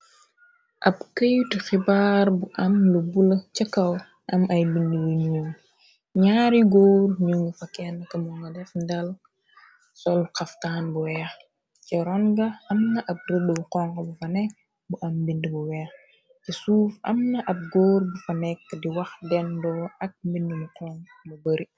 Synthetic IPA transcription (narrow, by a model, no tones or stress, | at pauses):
ʔɐpkəjtixibaːɾbuʔɐmlubulɐt͡ʃɐkːɐw | ʔɐmɐjbindəwuɲuːŋ | ɲaːɾiɡoːrɲuŋɡufɐkɛnɐkɐmuŋɡɐdɛfndɐl | sɔlqɐftaːnbuwɛːx | ciɾɔŋɡɐʔɐmnɐʔɐp̚rədəbuqɔŋkɐbufɐnɛk̚ | buʔɐmbindibuwɛːx | cisuːfɐmnɐʔɐp̚ɡoːrbufɐnɛk̚ːdiwɐxdɛndɔːʔɐk̚mbindimuqɔŋ | bubəɾi